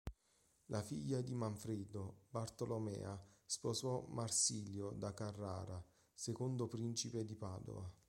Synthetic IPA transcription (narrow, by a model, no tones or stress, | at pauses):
lʔafiʎːad̪imaɱfɾed̪obart̪olomɛ̰ːaspozɔmarsiːljod̪akarːa̰ːɾa | sekond̪opɾint͡ʃiped̪ipaːd̪o̰a